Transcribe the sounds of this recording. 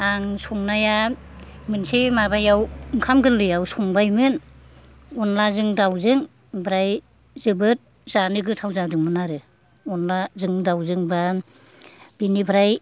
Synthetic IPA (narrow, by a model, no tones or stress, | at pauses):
aŋsɔŋnaja | mɯnsemabajawŋkʰamɡɯlːɯjawsɔŋbajmɯn | ɔnlazɯŋdawzɯŋ | bɾaj | zɯbɯt̚ | z̥anɯɡɯtʰawzadɯŋmɯnaɾɯ | ɔnlazɯŋdawzɯŋba | b̥inibɾaj